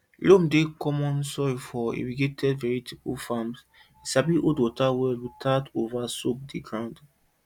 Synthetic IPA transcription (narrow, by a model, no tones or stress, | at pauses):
lomdekɔmɔ̃nsɔjfɔḭwiɡetʰɛdvɛɹitʰipufãms | isabiʔodwɔtawɛlutʰadovasok̚diɡɹãʊ̃nd